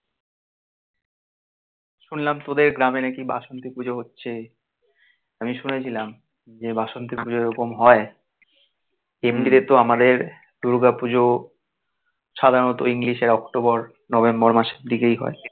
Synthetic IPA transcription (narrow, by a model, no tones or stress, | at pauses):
ʃunlamt̪od̪eɾɡɾamenɛkiba̰ʃont̪ipud͡ʑoɦotːɕʰe | amiʃunet͡ɕʰilam | d͡ʑebaʃont̪ipud͡ʑoeɾokomɦɔe | emɖiɾet̪oamad̪eɾ | d̪̥uɾɡapud͡ʑo | ʃad̪ʱaɾonot̪oiŋliʃeɾɔkʈobɔɾ | nɔbembɔɾmaʃeɾd̪ʱikejɦɔ̰e